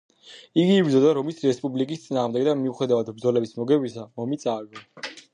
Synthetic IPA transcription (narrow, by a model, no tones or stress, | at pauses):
iɡiːbɾd̪zɔd̪aɾɔmisɾɛspʼublikʼist̪sʼinaːʁmd̪ɛɡd̪amiuχɛd̪avad̪bɾd̪zɔlɛbismɔɡɛbisamɔmit̪sʼaɡɔ